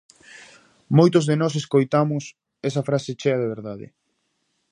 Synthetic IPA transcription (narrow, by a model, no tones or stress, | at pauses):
mojt̪ozðenɔs̬eskojt̪amʊs | ɛsɐfɾaset͡ʃɛɐðeβeɾðaðɪ̰